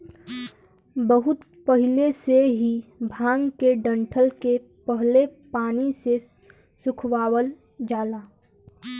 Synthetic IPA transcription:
bəɦʊt̪ | pəɦɪleseɦibʱãːŋɡkeɖə̃ɳʈʰəlke | pəɦlepaːnise | sʊkʰwaːwəl | d͡ʒaːlaː

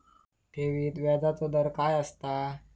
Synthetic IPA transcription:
t̪eʋiːt̪ʋad͡zat͡sod̪əɾkajəst̪a

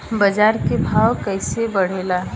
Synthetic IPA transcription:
bɐd͡ʒaːɾkebʱaːwkəɪsebɐɽ̤eːlaː

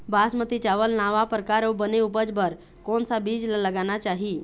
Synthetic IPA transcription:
basmət̪it͡ʃaʋəlnaʋapɾəkaɾobəneupəd͡zbəɾ | konsabid͡zlaləɡanat͡ʃaɦi

